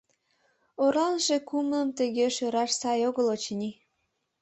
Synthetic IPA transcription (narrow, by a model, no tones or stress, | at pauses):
oɾɑnʒekumləmt̪əɣeʃøɾɑʃsɑjoɣəlot͡ɕnʲi